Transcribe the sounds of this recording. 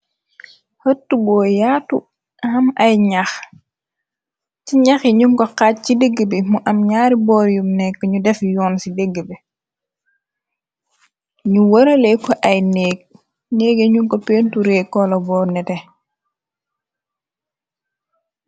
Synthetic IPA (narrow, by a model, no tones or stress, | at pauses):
hɐtːubɔːjaːtu | hɐmɐjɲax | ciɲaxiɲuŋkɔkat̚cideɡːəbemuʔɐmɲaːɾibɔːɾjumnɛkːɲudɛfjɔːnsideɡːəbe | ɲuwɐɾɐlekːɔʔɐjneːk̚ | neːɡeɲuŋkɔpeːntuɾekːɔlɔbɔːɾnɛtɛ